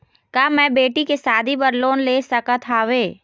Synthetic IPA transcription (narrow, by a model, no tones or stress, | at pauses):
kaːmɛ̃ːbeːʈikesaːd̪ʱipɐɾloːnleːsɐkət̪ʰaːʋeː